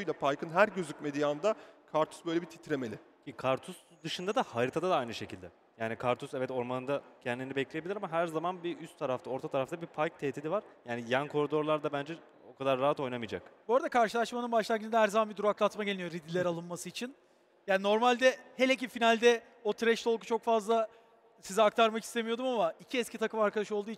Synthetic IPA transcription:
ujlʲapʰajkʰɯnɦæɾɟøzyc̚me̞d̪ijand̪akʰaɾt̪ʰu̥sbøjlʲebit̪ʰi̥t̪ʰɾemelʲɪ | cʰikʰaɾt̪ʰusd̪ɯʃɯnd̪ad̪ahaɾit̪ʰad̪ad̪aajnɯʃe̞cʰilʲd̪ɛ | jaːnikʰaɾt̪ʰusɛvɛt̪o̞ɾmanɯnd̪acʰɛnd̪ʲinibɛclʲejebilʲiɾamaɦæɾzamanbiʔyst̪ʰːaɾaft̪ʰao̞ɾt̪ʰat̪ʰaɾaft̪ʰabipʰajk̚t̪ʰeːt̪ʰid̪ivaɾjaːnijænkʰo̞ɾid̪o̞ɾlˠaɾd̪abænd͡ʒɛ | o̞kʰad̪aɾːaɦat̪o̞jnamɯjd͡ʒa̰kboːɾad̪akʰaɾʃɯlˠaʃmanɯnbaʃlˠaɾɡɯnd̪ɛɦæɾzamanbid̪uɾaklˠat̪maɟeinijo̞ɾid̪ilʲɛɾalˠɯnmasɯit͡ʃʰin | jaːnino̞ɾmalʲd̪ɛhe̞lʲec̬ifinalʲd̪ɛ | o̞t̪ʰɾɛʃt̪ʰo̞lˠku̥t͡ʃʰo̞kfazlˠa | sizɛak̚t̪ʰaɾmaki̥st̪e̞mijo̞d̪umamaicʰiɛskcʰit̪ʰakɯmaɾkʰad̪aʃo̞lˠd̪uːit͡ʃʰ

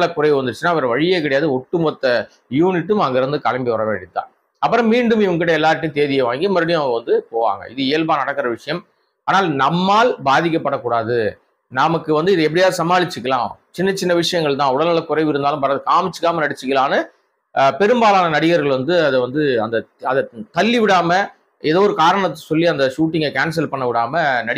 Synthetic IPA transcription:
ɭɐkʊrɐɪjʋɯʋɐnd̪ɯɾɯt͡ʃːɯnːaːɪʋɐɾɐʋɐɻɪjeːkɐɽɐjaːðɯɔʈːɯmɐt̪ːɐ | juːnɪʈːɯmɐŋɡeːɾɯnd̪ɯkɐɭɐmbiʋɐɾɐʋḛːɳɖɪt̪ːã̰ː | ɐpːɯɾɐ̃mmiːɳɖɯmɪʋɐŋkɪʈːɐɛlːaːɾɐʈːj̃t̪eːðɪjɐʋaːŋɡimɐɾɐɽɪjʊ̃ɐʋɐŋɡɐʋɐnd̪ɯpoːʋa̰ːŋɡɐ̰ɪðɯɪjɛlbaːnɐɽɐkːɐɾɐʋɪʂɐjɐm | aːnaːlnɐmːaːlbaːðɪk̬ʲːɐpːɐɽɐkːuːɽaːðɯ | nɐmɐkːɯʋɐnd̪ɯɪðɯɛp̬ːɐɽɪjaːðɯsɐmaːɭɪt͡ʃːɯkːɐlã̰ːt͡ʃɪnːɐt͡ʃːɪnːɐʋɪʂɐjɐŋɡɐɭt̪ãːʊɽɐlalɐkʊɾɐɪʋɪɾɯnd̪aːlɯ̃mpɐɾaːðɯkaːmɪt͡ʃːɯ̥kːaːmɐnɐɽɪt͡ʃːɯkːɐlaːnɯ | pɛɾɯmbaːlaːnɐnɐɽɪɣɐɾɣɐɭʋɐnd̪ɯɐðɛʋɐnd̪ɯɐnd̪ɐɐðɛt̪ɐlːiʋɪɽaːmɐ | ɛðoːɾɯkaːɾɐɳɐt̪ːɐ̥sɔlːiɐnd̪ɐʂuːʈ̬ːɪŋɡɐkaːns̬ɐlpɐɳːɐʋɪɽaːmɐnɐɽɪ

